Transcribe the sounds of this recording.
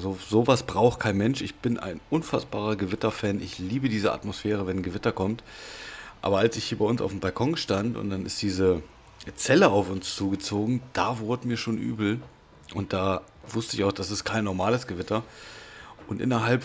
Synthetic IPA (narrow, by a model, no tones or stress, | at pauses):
zozoːvasb̥ʁaʊxtkʰaɪnmɛnʃɪçb̥ɪnʔa̰ɪnʔʊnfasb̥aːʁɐɡəvɪtɐfɛːnʔɪ̰çliːbədiːzəa̰tmosfɛːʁ̞əvɛnɡəvɪtɐkʰɔmt | ʔa̰ːbɐalsɪçhiːɐbaɪʊnsa̰ʊfm̩balkʰɔŋʃtantʊ̰nt̚d̥anɪ̰std̥iːzə | t͡sɛləaʊfʊnst͡suːɡət͡soːɡŋ̩d̥aːvʊɐdəmiːɐʃoːnʔy̰ːbl̩ | ʔʊnt̚d̥aː | vʊstəɪçaʊxd̥asɪstkʰaɪnːɔɐmaːləsɡ̥əvɪtɐ | ʔʊntʔɪ̰nɐɦalp